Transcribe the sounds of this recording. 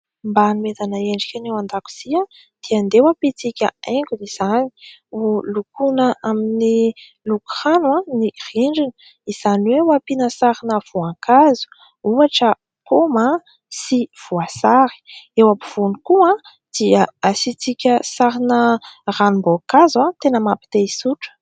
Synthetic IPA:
mbanimet̪anəeɳɖ͡ʐikʲanewand̪aku̥z̥iã | d̪̥iand̪ewapit͡sikʲə̰eŋkʲuniz̥ani̥ulukunəʔamini | lukranuãniriɳɖ͡ʐinə̥ | iz̥aniwewapinəsaɾinəv̥uakazu̥ | uaʈ͡ʂə | koma | siv̥uasaɾi̥ewapiv̥unikuã | d̪̥iəasit͡sikʲəsaɾinəranumbokazuãt̪enəmapi̥t̪eisuʈ͡ʂə̥

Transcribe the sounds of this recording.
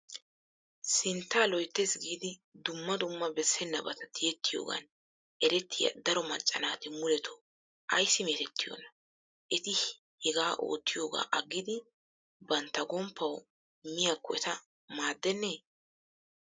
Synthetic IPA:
sɪnt̪ːaːlɔjt̪ːesɡiːd̪ɪd̪ʊmːɐd̪ʊmːɐbɛsːɛnːɐbɐt̪ɐt̪ʰɪjɛt̪ːɪjo̰ːɡɐ̰n | ɛɾɛt̪ːɪjɐ̰d̪ɐɾɔmɐt͡ʃʼːɐnaːt̪ɪmʊlɛt̪ʰɔ̥ | ʔɐjsːɪmeːt̪ɛt̪ːɪjo̰nɐ | ʔɛt̪ɪ | hɛɡaːʔo̞̰ːt̪ːɪjo̞ːɡa̰ːʔɐɡːɪd̪ɪ | bɐnt̪ːɐɡɔmpːɐw | mɪjakːɔɛt̪ɐ | maːd̪ːɛnːeː

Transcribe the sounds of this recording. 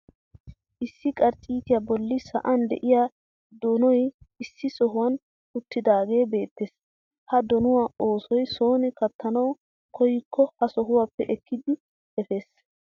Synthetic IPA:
ʔɪsːɪkʼɐɾt͡ʃʼiːt̪ɪjabɔlːɪsɐ̰ʔɐnd̪ɛ̰ʔɪjaː | d̪ɔnɔjɪsːɪsɔɦʊwɐn | ʊt̪ːɪd̪aːɡe̞ːbe̞ːt̪ːeːs | hɐd̪ɔnʊwao̞ːsɔjso̞ːnɪkɐt̪ʰːɐnɐw | kʰɔjɪkʰːɔhɐsɔɦʊwapːɛʔɛkʰːɪd̪ɪ | ɛfe̞ːs

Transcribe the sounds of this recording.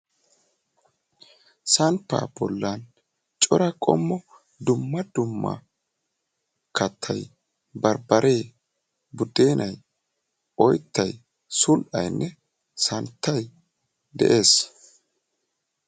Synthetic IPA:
sɐnpːa̰ːb̥ɔlːan | t͡ʃʼɔɾɐkʼɔ̰mːɔ | d̪ʊmːɐd̪ʊmːɐ̰ | kɐt̪ʰːɐj | bɐɾbɐɾʔe̞ː | bʊd̪e̞ːnʔɐj | ɔjt̪ːɐj | sʊlʔɐ̰jnːʔɛ | sɐnt̪ːɐj | d̪ɛ̰ʔe̞ːs

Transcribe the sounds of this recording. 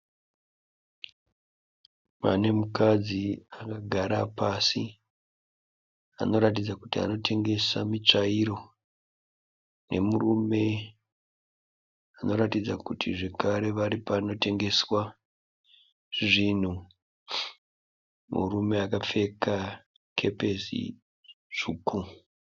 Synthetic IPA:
ma̰ne̞mukad͡ziakaɡʱaɾapasi | a̰no̞ɾatid͡zakutia̰no̞tʰe̞ŋɡe̞samit͡ʂaiɾo̞ | ne̞̰murume̞ | ano̞ɾatid͡zakutʰiʐe̞kaɾe̞ʋaɾipaːno̞te̞ŋɡe̞swa | ʐin̤u | mṵrume̞akap͡fe̞ka | kʰe̞pe̞sḭ | ʐukʰu

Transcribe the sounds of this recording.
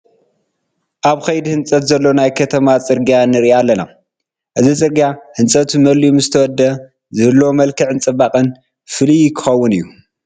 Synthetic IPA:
ʔaβxɐjd̪ihɨnt͡sʼɐt̪zɐlːo̞najkʰɐt̪ʰɐmat͡sʼɨɾɡijanɨɾiʔalːɐna̰ | ʔɨzit͡sʼɨɾɡijahɨnsʼɐt̪umɐliumzɨt̪ʰɐwɔd̪ːɐ | zɨhɨlːomɐlkʰɨʕɨnt͡sʼɨbakʼɨn | fɨlijɪkʰɨxɐwːʊnɨjːu

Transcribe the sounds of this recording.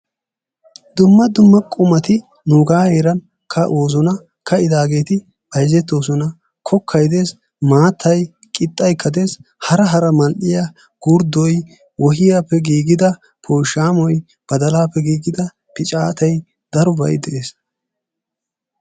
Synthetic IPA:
d̪ʊmːɐd̪ʊmːɐkʼʊmɐt̪ɪ | nuːɡaːhe̞ːɾɐn | kʰɐʔoːz̬ɔnɐ | kʰɐɪd̪aːɡe̞ːt̪ɪ | bɐjzɛt̪ːo̞ːs̬ɔnɐ | kʰɔkʰːɐjd̪e̞ːs | maːt̪ʰːɐj | kʼɪt̪ʼːɐjkʰːɐd̪e̞ːshɐɾɐɦɐɾɐmɐlʔɪjɐ | ɡ̥ʊɾd̪ɔj | wɔɦɪjapːɛɡiːɡɪd̪ɐ | pʰoːʃaːmɔj | b̥ɐd̪ɐlaːpːɛɡiːɡɪd̪ɐ | pɪt͡ʃʼaːt̪ʰɐj | d̪ɐɾʊbɐ̰jd̪ɛʔe̞ːs

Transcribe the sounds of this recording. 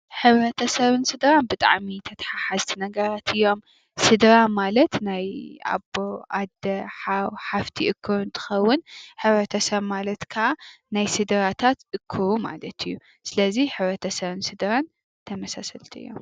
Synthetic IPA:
ħɨβɾɐt̪ʰɐsɐβɨnsɨd̪ɾanbɨt̪ʼa̰ʕmit̪ʰɐt̪ʰħaħazt̪ʰinɐɡɐɾat̪ʰɨjːo̞m | sɨd̪ɾamalɐt̪naja̰boad̪ɐħawħaft̪ʰiʔɨkʰːɨɾɨnt̪ʰɨ̥xɐwːʊnħɨβɾɐt̪ʰɐsɐβmalɐt̪kʰaʔanajsɨd̪ɾat̪ʰat̪ɨkʰːɨɾuma̰lɐt̪ɨjːu | sɨlɐziħɨβɾɐt̪ʰɐsɐβɨnsɨd̪ɾan | t̪ʰɐmɐsasɐlt̪ʰiɨ̰jːo̞̰m

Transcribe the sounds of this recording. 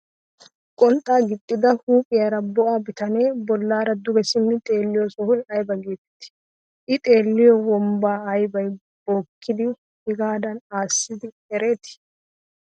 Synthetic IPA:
kʼɔnt̪ʼːaːɡɪt̪ʼːɪd̪ɐhuːpʼɪjaɾɐbɔʔabɪt̪ɐne̞ːbɔlːaːɾɐd̪ʊɡɛsɪmːɪt̪ʼe̞ːlːɪjɔsɔhʊlɐjbɐɡeːt̪ɛ̥t̪ːɪ̥ | ʔɪt̪ʼe̞ːlːɪjɔwɔmbaːɐjbɐj | b̥oːkʰːɪd̪ɪ | hɪɡaːd̪ɐnaːsːɪd̪ɪ | ɛɾe̞ːt̪ɪ̥

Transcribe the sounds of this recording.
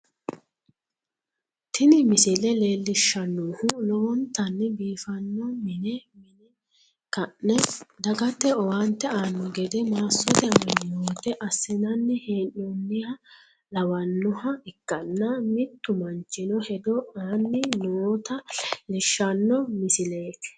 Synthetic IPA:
t̪ʰɪnɪmɪsɪlɛle̞ːlːɪʃɐnːuːhʊlɔwɔnt̪ɐnːɛbiːfɐnːɔmɪnɛmɪnɛ | kɐʔɛd̪ɐɡɐt̪ːɛɔwant̪ːɛaːnːɔɡɛd̪ɛmaːsːɔt̪ɛɐmɐnnoːt̪ɛʔɐsːɪnɐnːɛheːnːɔnːɪhɐ | lɐwɐnːɔhɐɪkːɐnːɐmɪt̪ːʊmɐnt͡ʃːɪnɔhɛd̪ɔaːnːɪnoːt̪ɐlɪʃːɐnːɔmɪsɪleːt̪

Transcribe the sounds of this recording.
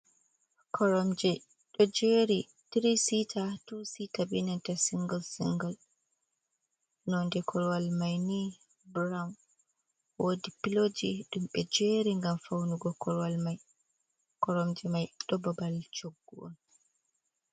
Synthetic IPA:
kʰɔɾɔmd͡ʒɛ | ɗɔd͡ʒeɾi | tiɾisitʰatusitabinɛntɛsiŋɡɔlsḭŋɡal | nɔndɛkʰɔɾwalmajni | bɾawn | wodipilod͡ʒiɗumɓɛd͡ʒeɾiŋɡamfawnuɡɔkɔɾwalmaj | kɔɾɔmd͡ʒɛmajɗɔbabalt͡ʃoɡːuʔɔ̰n

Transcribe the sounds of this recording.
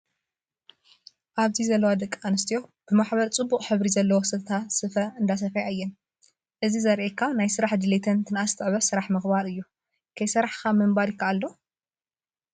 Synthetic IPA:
ʔaβt̪ʰizɐlːɐwad̪ɐkʼːanɨst̪ʰijo̞b̥ɨmaħbɐɾt͡sʼɨbːuqʼħɨβɾizɐlːɐwosɨt̪ʰɐt̪ʰasɨfɐɨnd̪as̬ɐfajaɨjːɛn | ʔɨzizɐɾʔekʰːanajsɨɾaħd̪ɨlet̪ʰɐnt̪ʰɨnast̪ʰɨʕβɐsɨɾaħmɨxbaɾɨjːu | kʰɐjsɐɾaħkamɨmbaɾjɪkʰːaalːo̞

